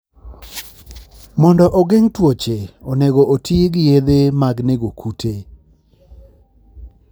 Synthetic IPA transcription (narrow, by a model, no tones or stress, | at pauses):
mɔndɔʔɔɡeŋtwot͡ʃeɔneɡoʔotʰieɡɪjed̪emaɡneɡokʰutʰe